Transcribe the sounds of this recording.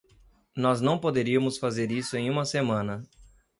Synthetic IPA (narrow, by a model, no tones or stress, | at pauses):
nɔznɐ̃w̃pod̪eɾiɐmʊsfazeɾisʊẽj̃ũmɐsemɐ̃nɐ